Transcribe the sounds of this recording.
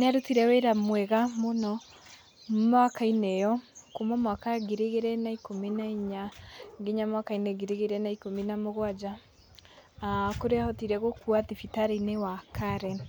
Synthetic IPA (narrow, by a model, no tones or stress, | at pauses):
neaɾutiɾɛweɾamwɛɣamonɔ | makainɛjɔkomamwakaɡeɾeɣeɾɛnaikomenaiɲaɡeɲamwakainɛɣeɾeɣeɾɛnaikomenamoɣwad͡ʒa | akoɾeahɔtiɾɛɣokuatifitaɾenewakʰaɾɛn